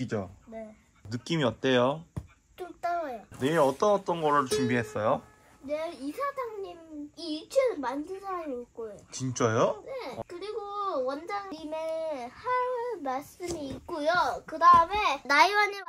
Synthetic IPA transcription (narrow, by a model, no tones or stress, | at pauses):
kɯd͡ʑo̰ne̞ | nɯk͈imiʌt̚t͈ejo | t͡ɕ͈ot͈aŋajoneʌt͈ʌnʌt͈ʌnɡʌɾɯɭt͡ɕumbiɦe̞s͈ʌjo | neisʰadaŋɲimiːɭt͡ɕʰɯnɯnmandɯɭsʰaɾamiːk͈ojot͡ɕint͡ɕ͈ʌjonekɯɾiɡowʌnd͡ʑaŋɲimehaɭmaɭs͈ɯmiːk̚k͈ojokɯdaɯme̞naiwaɲi